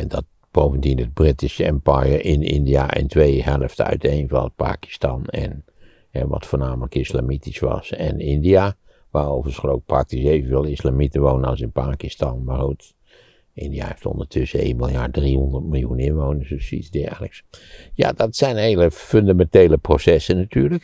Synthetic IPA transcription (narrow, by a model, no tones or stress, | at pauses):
ɛndɑt̚ | b̥owvəndinəd̚brɪtisəɛmpajəɹʔɪnɪ̰ndija̰ʔɛ̰ntʋejhɛləftœ̰ɥtejnvɑ̰nət̚pa̰ːki̥stɑnɛ̰n | hɛʋɑ̰tfoːɹnaːmələkɪsla̰mitisʋɑ̰sɛ̰nɪndia | ʋaːrowvəsχəlowk̚prɑk̚tisejvənvɪːlˠɪslamitəʋownəɑsɪnpaːkistɑnmarhut | ɪ̰ndija̰hḛftɔ̰ndəɹtʰʏsəḛjnmɪlˠjaːɹdrihɔndətmɪlˠjunɪnʋownəɹsdøsḭdɛːləksja̰ːdɑtsɛjnɦejləføndamɛntejləprosɛsənːatyːɹlək